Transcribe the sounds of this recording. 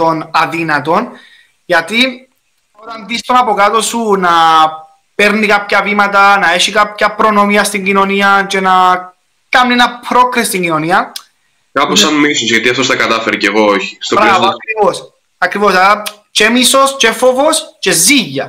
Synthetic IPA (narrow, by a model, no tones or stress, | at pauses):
t̪o̞nɐðinɐt̪o̞n | ʝɐt̪i | ot̪ɐnðist̪o̞nɐpo̞kat̪osunɐ | peɾnikɐpçɐvimɐt̪ɐnɐe̞ʃikap̚çɐpɾo̞no̞miɐst̪iɲɟino̞niɐt͡ʃe̞nɐ | kɐnnienɐpɾo̞kɾest̪iɲɟino̞niɐ | kɐposɐmmisunsʝɐt̪iɐft̪ost̪ɐkɐt̪ɐfeɾiceɣooçi̥st̪obɾavoɐkɾivos | ɐkɾivo̞sɐɾɐ | t͡ʃemiso̞st͡ʃefovo̞st͡ʃe̞ziʝːɐ